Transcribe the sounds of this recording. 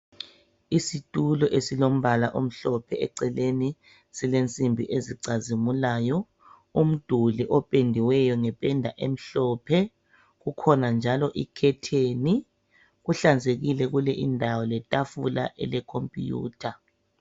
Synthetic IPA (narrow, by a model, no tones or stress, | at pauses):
isitʼulɔʔesilom̩βalaʔom̩ɬɔpʰɛɛ̰ǀɛleni | silent͡sʼimbʱiʔeziǀazimulaːjɔ | um̩d̥ʱuliʔɔpʼendʱiwɛjɔŋɛpʼɛndʱaʔem̩ɬɔpʰɛ | ɣukʰɔnand͡ʒʱalɔʔḭkʰɛtʰeni | ɣuɬand͡zʱeɣilɛɣulɛʔindʱawɔlɛtʼafulaʔɛ̰lɛkʰompʼiṵːtʰa